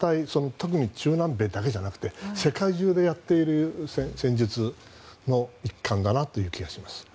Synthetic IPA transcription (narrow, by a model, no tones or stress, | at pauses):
t̪aiso̞no̞t̪o̞k̬ɯ̟ɲ̟it͡ɕɨːnãmbe̞ːd̪ake̞ʑanakɯ̟̥t̪e̞se̞kaiʑɨːd̪e̞jat̪ːe̞iɾɯ̟sẽsẽ̞ɲ̟d͡ʑit͡sɨ | no̞ikːãnd̪anat̪ːo̞jɯ̟ːkʲiɡaɕimasɨ̥